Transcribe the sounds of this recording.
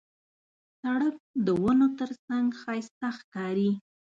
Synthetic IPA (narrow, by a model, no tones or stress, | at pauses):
saɽəp̚d̪əwənot̪əɾsaŋɡxɑjst̪axkɑɾi